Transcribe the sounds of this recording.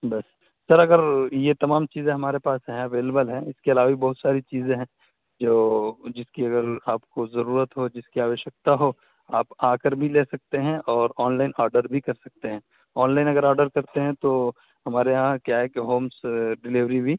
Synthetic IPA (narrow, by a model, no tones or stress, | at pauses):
bɐsː | ɐɾɐɡəɾjet̪ɐmaːmt͡ʃiːzẽɦɐmaːɾepaːsɦɛ̃ɐʋeːlebəlɦɛ̃ɪskeɐlaːʋabʱibɐɦʊt̪saːɾit͡ʃiːzẽɦɛ̃ | d͡ʒoːd͡ʒɪskiɐɡəɾaːpkozɐɾuːɾət̪ɦod͡ʒɪskiaːʋəʃjək̚t̪aɦo | aːpaːkəɾbʱileːsɐk̚t̪eɦɛ̃ʔɔːɾɔːnlaːɪnaːɾɖəɾbʱikɐɾsɐk̚t̪eɦɛ̃ː | ɔːnlaːɪnɐɡəɾaːɾɖəɾkɐɾt̪eɦɛ̃t̪o | ɦɐmaːɾeɦãkjaɦɛkeɦoːmsɖɪliʋɾibʱi